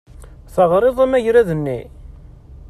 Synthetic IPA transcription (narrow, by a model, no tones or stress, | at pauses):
θəʁɾˤeðˤæmæʝɾæðənːḭ